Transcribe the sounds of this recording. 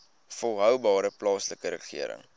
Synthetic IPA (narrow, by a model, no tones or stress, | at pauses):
fɔlˠɦœwbɑːɾəplɑːsləkəɾəχḭəɾə̰ŋ